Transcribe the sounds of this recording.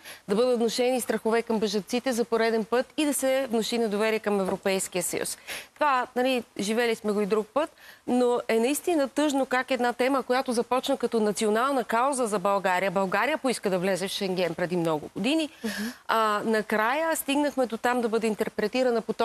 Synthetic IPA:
d̪ɐbɤd̪ət̪vnoʃɛnist̪ɾɐxovɛkɐmbəʒɐnt̪sit̪ɛzɐpoɾɛd̪ɛnpɤt̪id̪ɐsɛvnoʃinɐd̪ovɛɾiɛkɐmɛvɾopɛjsk̟ijəsə̰jṵst̪ovanɐliʒivɛlismɛɡoid̪ɾuk̚pɤt̪̚noʔɛnɐist̪inət̪ɤʒnokakɛd̪nat̪ɛməkojat̪ʊzɐpɔt͡ʃnəkɐt̪ɔnɐt̪sionalˠnəkazəzɐbɐlˠɡaɾijəbɐlˠɡaɾijəpoiskəd̪ɐvlɛzɛfʃɛŋɡ̟ɛnpɾɛd̪imnɔɡʊ̰ɡod̪inianɐkɾajəst̪iɡnəxmɛd̪ot̪amd̪ɐbɤd̪ɛint̪ɛɾpɾɛt̪iɾənɐpot̪ɔ

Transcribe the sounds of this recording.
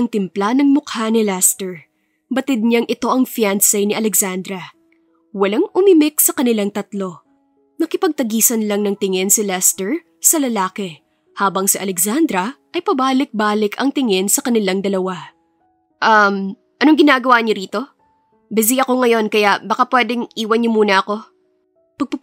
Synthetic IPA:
ɐŋt̪ɪmplanɐŋmʊkhanɪlɛst̪ɛɹ | bɐt̪ɪd̪̚ɲaŋʔɪt̪o̞ʔɐŋfjansɛjnɪʔɐlɛksand̪ɾɐ | wɐlaŋʔʊmɪmɪk̚sɐkɐnɪlaŋt̪ɐt̪lo̞ | nɐkɪpɐɡ̚t̪ɐɡiːsɐnlɐŋnɐŋt̪ɪŋɪnsɪlɛst̪ɛɹ | sɐlɐlaːkɛ | haːbɐŋsɪʔɐlɛksand̪ɾɐʔɐjpɐbaːlɪk̚baːlɪkɐŋt̪ɪŋɪnsɐkɐnɪlaŋd̪ɐlɐwa | ʔɐm | ʔɐnoŋɡɪnaːɡɐwaɲoɾiːt̪o̞ | bɪz̬iʔɐko̞ŋɐjo̞nkɐjabɐkapwɛːd̪ɪŋʔiːwɐnɲomuːnɐʔɐko̞ | pɐɡ̚pɐ

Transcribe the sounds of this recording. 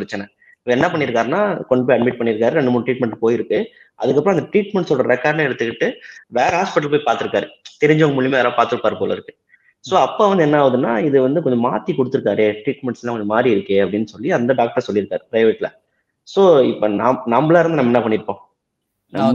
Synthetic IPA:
pɾɐt͡ʃːɐnɐ | ɪʋɛnːɐpɐɳːɪɾɯkːaːɾɯnːaːkɔɲɖɐpoːjɐɖmɪʈ̚pɐɳːɪɾɯkːaːɾɯɾɛɳɖɯmuːɳɖʈɾiːʈ̚mɛɳʈpoːjɪɾɯkːɯ | ʔɐ̰ðɯk̬ːɐpːɾõɐnd̪ɐʈɾiːʈmɛɳʈsɔɽɐɾɛkːaːɖlãɛɽɯt̪ːɯkːɪʈːɯʋeːɾɐɦaːspɪʈːɐlpoːjipaːɾt̪ːɯɾɯkːaːɾɯt̪ɛɾɪɲd͡ʒɐʋɐŋɡɐmʊɭɪmeːʋaːlãːpaːɾt̪ɯɾɯpːaːɾɯpoːlɐ̰ɪɾɯkːɯ̥ | soːɐpːoːʋɐnd̪ɯɛnːaːʋɐðɯnːaːɪðɯʋɐnd̪ɯk̬ɔɲd͡ʒɔma̰ːt̪ːikɔɽɯt̪ːɯɾɯkːaːɾeːʈɾiːʈmɛɳʈslãːkɔɲd͡ʒɐmaːd̪ɾiɪɾɯkːeːɐpːɐɽɪnːɯsɔlːiɐnd̪ɐɖaːk̚ʈɐɾsɔlːɪɾɯkːaːɾɯpɾɐɪʋeːʈːla̰ | soːɪpːonaːnɐmblaːɪɾnd̪ɯnɐmːɛnːɐpɐɳːɪɾɯpːõː | nɐ̰

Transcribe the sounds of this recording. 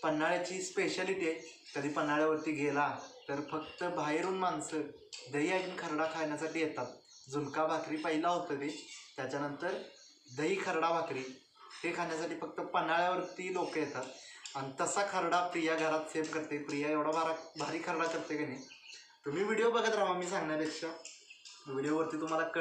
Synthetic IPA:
pənːaɭjat͡ɕiːspeɕəliʈekəd̪ʱiːpənːaɭjaʋəɾt̪iːɡʱelat̪əɾfək̚t̪əbʱajɾuːnmansəː | d̪əiːad̪iːnkʰəɾɽakʰaɳjasaʈiːjet̪at̪̚ | d͡zunkabʱakɾiːpəɦilaɦot̪əd̪et̪jat͡ɕanənt̪əɾ | d̪əiːkʰəɾɽabʱakɾiː | t̪ekʰaɳjas̬aʈiːfək̚t̪əpənaɭjaʋəɾt̪iːlokəjet̪at̪añit̪əsakʰəɾɽapɾijaɡʱəɾat̪semkəɾt̪epɾijaeʋɽabʱaɾabʱaɾiːkʰəɾɽakəɾt̪ekəne | t̪um̤iːʋiɽjobəɡʱat̪ɾaʋamiːsãŋɡɳajapekʂa | ʋiɽjoʋəɾt̪iːt̪um̤alak

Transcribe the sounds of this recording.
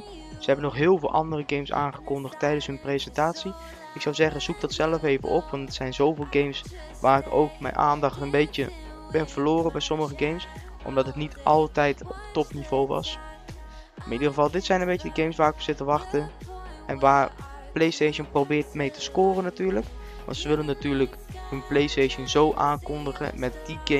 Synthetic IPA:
səɦɛbənɔχɦɪːlˠvɪːlˠʔɑ̰ndərəɡejmsa̰ːnχəkɔndəχtːɛjdənsɦɵnprezɛntaːtsi | ɪksɔwzɛχənz̥uk̚dɑtsɛləfejvə̰ʔɔpʋɑntətsɛjnzowvɪːlˠɡejms | ʋaːɾɪko̰wkmɛ̰jnʔa̰ːndɑχtənbejtə̰ | b̥ɪnv̥əloːrəbɛjsɔməχəɡejms | ʔɔ̰mdɑtətnitʔɑlˠtɛjtɔptɔpnivowʋɑ̰s | ɪanidəχəvɑlˠdɪtsɛjnənbejcədəɡejmsʋaːrɪkɔpsɪtəʋɑχtəʔɛnʋaːɹ | plejstejʃənprowbɪːɹtmejtə̥skoːrənatyːɹlək | ʋɑ̰ntsəʋɪlənːatyːɹlək | hənplejsteʃənzowʔaːnkɔndəχə̰mɛt̚diɡe

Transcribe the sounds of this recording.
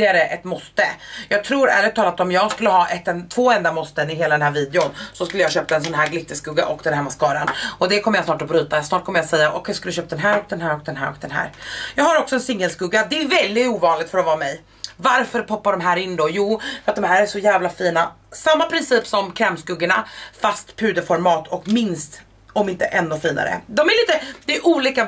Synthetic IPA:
ɪaɾəʔɛt̪mɔst̪əjɑːɡ̚t̪ʰɾuːɾɛ̰lət̪ʰɑːlat̪ɔmjɑːɡskɵlːəɦɑːʔɛt̪ːɛnt̪ʰvoːɛnd̪amɔst̪ənɪɦeːlad̪ɛnɦæːɾviːd̪ɛʊnsɔskɵlːəjaɕøːp̚t̪aɛns̬ɔnɦæːɾɡlɪt̪ːəskɵɡa̰ʔɔkd̪ɛæːɾmɛskɑːɾanɔd̪ɛkʰɔmːəjasnɑːʈɔbɾyːt̪asnɑːʈkʰɔməjasɛjːaʔɔ̰kʰjaskɵləʃɕøːpt̪d̪ɛnɦæːɾɔk̚d̪ɛnɦæːɾɔk̚d̪ɛnɦæ̰ːɾɔk̚d̪ɛnɦæ̰ːɾjɑːɡhaɾɔksɔɛnsɪŋːəlskɵɡːad̪ɛːvɛld̪ɪt̪uːvɑːnlɪɡ̚t̪fœɾɔvɑːmɛj | vaɾfœɾpʰɔpːaɖɔmɦæːɾɪnːd̪ɔjuːfœɾat̪̚d̪ɔmhæːɾæʂɔjæːvlafiːna | samːapʰɾɪnsiːpsɔmkʰɾɛːmskɵɡːəɳafast̪pʰʉ̟ːd̪əfɔɾmɑːt̪ʰɔkmɪnst̪ | ɔmɪnt̪əʔɛnːʉfiːna̰ɾə̰d̪ɔmæɾliːt̪əd̪ɛʔuːliːka

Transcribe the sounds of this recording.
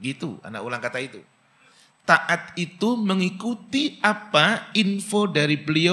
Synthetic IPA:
ɡit̪ṵa̰na̰ʔkulaŋkat̪ait̪u | t̪aʔat̪̚it̪uməŋikut̪iʔapainfodaɾibəlio

